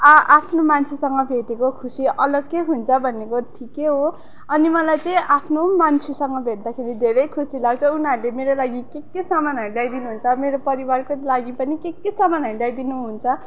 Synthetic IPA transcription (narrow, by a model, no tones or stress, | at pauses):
ʌapʰnomant͡sʰisʌŋɡʌbʱeʈekokʰusiʔʌlʌɡkːeɦunt͡sʰʌbʱʌnːekoʈʰikeɦo | ʌnimʌlajt͡sʌĩʔapʰnomant͡sʰisʌŋɡʌbʱeʈ̚d̪akʰeɾid̪ʱeɾʌjkʰusilaɡt͡sʰʌunaɾulemeɾolaɡikekːesamanɦʌɾuljajd̪inuɦunt͡sʰʌmeɾopʌɾibarkolaɡipʌnikekːesamanʌɾuljajd̪inuɦunt͡sʰʌ